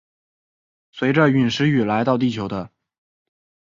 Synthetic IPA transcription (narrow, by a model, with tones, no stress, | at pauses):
swe˧˥ɪʈ͡ʂə˧y˨˩nʂɻ̩˧˥y˨˩la˧˥ɪt̪ɑ˥˧ʊt̪i˥˩t͡ɕʰjo˧˥ʊd̪ə˧